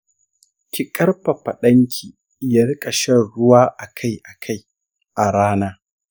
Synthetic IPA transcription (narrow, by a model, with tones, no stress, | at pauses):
kʲɪ˨kʼɐ˦rɸɐ˨ɸɐ˨ɗɐ˦ŋkʲʰiː˨ | ja˦ɽɪ˦kʼɐ˨ʃɐ˦ɽʊ˦waː˦ʔa˨kʰa˦˨jʔa˨kʰa˦˨j | ʔa˨ɽaː˦naː˦